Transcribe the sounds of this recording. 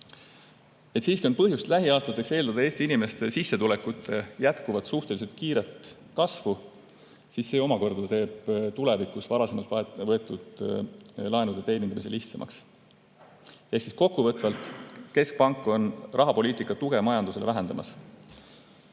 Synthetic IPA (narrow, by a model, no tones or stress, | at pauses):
e̞t̪siːskuionpɤɦjust̪læɦiɑːst̪ɑt̪ːˑe̞kse̞ːld̪ɑd̪ɑe̞ːst̪iinimest̪e̞sisːe̞t̪ule̞kːut̪ːˑe̞jæt̪kuvɑt̪suht̪e̞lise̞lt̪̚kiːɾe̞t̪ | kɑsvu | sisːe̞ːo̞mɑko̞rd̪̥ɑt̪e̞ːb̥t̪ule̞vikːˑusvɑɾɑse̞mɑlt̪vɤe̞t̪ːˑud̪̥ | lɑe̞nud̪et̪e̞jnind̪̥ɑmise̞liht̪sɑmʔɑ̰ks | eksisko̞kːuvɤt̪ːˑvɑlt̪ˑke̞sk̚pɑŋkːˑo̞nrɑɦɑpo̞lʲiːt̪ˑikːˑɑt̪uɡ̥e̞mɑjɑnd̪use̞le̞væɦe̞nd̪ɑmɑs